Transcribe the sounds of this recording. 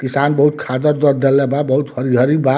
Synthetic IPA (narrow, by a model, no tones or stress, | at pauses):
kisanbʌɦut̪̚kʰad̪ʌɾd̪ʌɾd̪elebabʌɦut̪hʌɾiɦʌɾiba